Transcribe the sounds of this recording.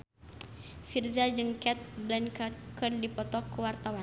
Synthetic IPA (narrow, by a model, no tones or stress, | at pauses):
firzad͡ʒɨŋkɛt̪̚blɛnkkərdipɔt̪ɔkəwart̪awan